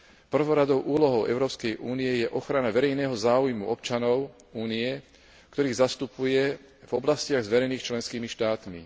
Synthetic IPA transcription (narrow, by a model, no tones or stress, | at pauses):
pr̩ʋɔɾad̪ɔʊʔuːlɔɦɔʊʔɛ̰ʊɾɔːpskɛjʔuːniɛjɛʔɔxɾanaʋɛɾɛjnɛːɦɔzaːujmṵʔɔpt͡ʃanɔʊ | uːniɛ | kt̪ɔɾiːɣzast̪upujɛ | vɔblascɪaɣzʋɛɾɛjniːxt͡ʃlɛnskiːmiʃt̪aːt̪mḭ